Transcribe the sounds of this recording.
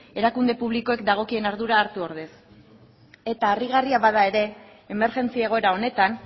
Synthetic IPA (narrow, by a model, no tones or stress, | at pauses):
e̞ɾakund̪e̞puβ̞liko̞e̞kd̪aɣ̞o̞kie̞naɾðuɾaːɾt̪uo̞ɾðe̞s | e̞t̪aːriɣariaβaðae̞ɾe̞ː | me̞ɾʝe̞nt͡siaeɣ̞o̞e̞ɾao̞ne̞t̪an